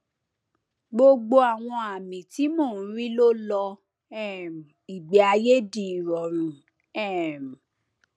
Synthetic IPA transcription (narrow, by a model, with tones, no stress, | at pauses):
ɡ͡bo˧ɡ͡bo˧a˨w̃ɔ̃˧a˨mĩ˨ti˨˦moː˦˨˦ɾi˦lo˦lɔ˧ | ɛ˦˨m˨i˨ɡ͡bi˨a˧je˦di˦˨ɾɔ˨ɾ̃ũ˨˦ | ɛ˦˨m˨